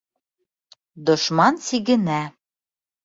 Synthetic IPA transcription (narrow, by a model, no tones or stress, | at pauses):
d̪ŏʃmɑnsiɣɘ̆næ